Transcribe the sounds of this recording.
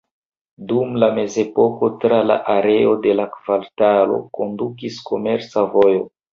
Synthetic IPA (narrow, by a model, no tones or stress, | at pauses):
dumlame̞ze̞po̞ko̞tɾala̰ʔaɾe̞o̞de̞lakv̥altalo̰ko̞ndukiskʰo̞meɾt͡savo̞jo̞